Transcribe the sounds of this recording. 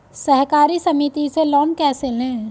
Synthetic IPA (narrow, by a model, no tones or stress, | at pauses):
sɐɦkaːɾisɐmit̪iselɔːnkɛːselẽː